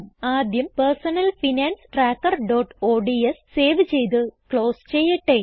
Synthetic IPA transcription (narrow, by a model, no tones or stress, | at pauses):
aːd̪jɐmpɐrsɐnɐlfinaːnsʈraːkːɐrɖoːʈoːɖiesːseːʋɨt͡ɕe̞jt̪̬ɨkɭo̞ːst͡ɕejːiʈːe